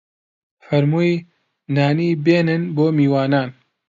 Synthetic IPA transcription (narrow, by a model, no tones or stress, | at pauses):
fɐɾmuːj | naːniːbeːnɨnboːmiːwaːnaːn